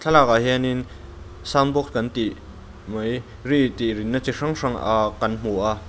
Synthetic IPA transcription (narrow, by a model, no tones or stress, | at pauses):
t͡ɬʰalak̚aɦɛnin | sambɔk̚kɐnt̪iʔ | mɐj | rit̪irinːat͡siʂɐŋʂaŋa̰kɐnm̥uʔa